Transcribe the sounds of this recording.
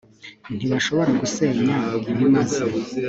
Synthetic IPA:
n̥iβaʃo̞βo̞ɾaɡuseɲamumazi

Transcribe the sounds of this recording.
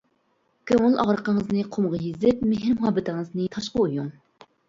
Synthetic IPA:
kʲʰøŋɪlɑʁɾəqəŋəznɨqʰomʁɑjizɪp̚meɦɪɾmʊɦɑːbɪt̪ʰɪŋɨznɨt̪ʰɑʃqɑujuŋ

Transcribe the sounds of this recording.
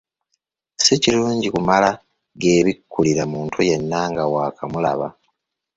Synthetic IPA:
siciluːɲɟikumala | ɡeːβikːuliɾamuːntʰuje̞nːaŋɡawaːkʰamula̰βa

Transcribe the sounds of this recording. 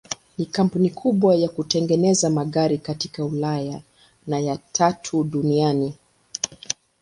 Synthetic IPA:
nikam̩punikʰuɓwajakutɛŋɡɛnɛzamaɠaɾikatikaulaja | najatʰatʰuɗuniani

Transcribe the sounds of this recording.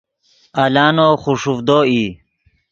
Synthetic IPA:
alaːnoːχuʂufd̪oːi

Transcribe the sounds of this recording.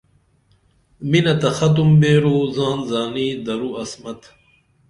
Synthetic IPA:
minɐt̪ɐxɐt̪̬umbeːɾoːzaːnzaːniːd̪ɐɾuɐsmɐt̪

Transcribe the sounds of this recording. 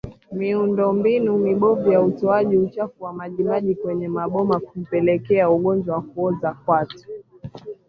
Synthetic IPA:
miundɔmbinuniɓɔvujautɔaʄiut͡ʃafuwamaʄimaʄikwɛɲɛmaɓɔmakum̩pɛlɛkɛauɠɔnd͡ʒwawakuɔzakwati̥

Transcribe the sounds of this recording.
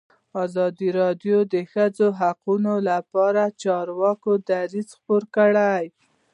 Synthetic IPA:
ɑzɑd̪iɾɑd̪jod̪əxəd͡zoɦaqunolapɑɾat͡ʃɑɾwɑkod̪aɾizxpoɾkəɽaj

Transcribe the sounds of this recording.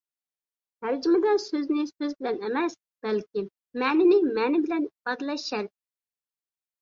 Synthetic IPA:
hæɾd͡ʒimɨd̪ɑsøznɪsøzbɪlɛnɛmɛs | b̥ɛlkʲɪm | mɛːnɪnɪmɛːnɪbɪlɛnbɑd̪lˠɛʃɛɾ

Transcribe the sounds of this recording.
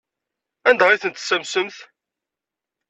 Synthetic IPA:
ænd̪aʁiθənt̪səmsəmθ

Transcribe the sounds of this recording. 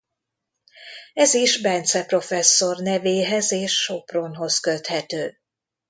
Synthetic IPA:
ɛziʒbɛnt̪sɛpro̞fɛsːo̞rnɛveːɦɛzeːʃːo̞pronɦo̞skø̞t̪hɛt̪øː

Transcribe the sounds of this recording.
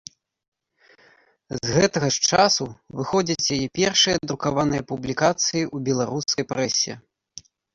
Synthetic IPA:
zɣɛt̪ɐɣɐʂt͡ʂasuvɨxɔd͡zʲɐt͡sʲjajɛpʲɛrʂɨjɐd̪ɾukavanɨjɐpublʲikat̪sɨjiʔubʲɛlˠaɾuskɐjpɾɛsʲːɛ̰

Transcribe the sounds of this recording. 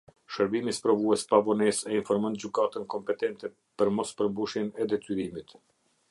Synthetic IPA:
ʃəɾbimispɾɔvuɛspavɔnɛsɛinfɔɾmɔnd͡ʑykat̪ənkɔmpɛt̪ɛnt̪ɛ | pəɾmɔspəɾbuʃjɛnɛd̪ɛt̪yɾimit̪

